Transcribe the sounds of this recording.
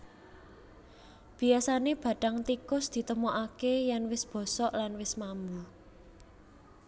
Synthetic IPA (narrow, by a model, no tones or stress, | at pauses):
b̥i̤asaneb̥ä̤ɖ̥a̤ŋt̪ikʊsd̪̥i̤t̪əmɔʔakejanwɪsb̥ɔ̤sɔʔlanwɪsmambu